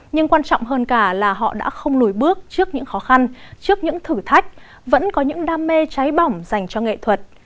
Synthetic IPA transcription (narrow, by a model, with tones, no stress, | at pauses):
ɲɨ˧ŋkwaː˧nt͡ɕɔ̰˧˨wŋ͡mɦəː˧nkaː˧˩laː˨˩ɦɔ̰˧˨ɗa̰ː˧˥xə˧wŋ͡mlu˨˧˩jɓɨ˦˥ək̚t͡ɕɨ˦˥ək̚ɲɨ̰˧˥ŋxɔ˨˦xa˧nt͡ɕɨ˦˥ək̚ɲɨ̰˧˥ŋt̪ʰɨ˧˩t̪ʰa˦˥jk̚ | və̰˧˥nkɔ˨˦ɲɨ̰˧˥ŋɗaː˧mːe˧t͡ɕa˨˦jɓa˨˩wŋ͡mza˨˩jŋ̟t͡ɕɔ˧ŋḛ˧˨t̪ʰwə˨˩t̚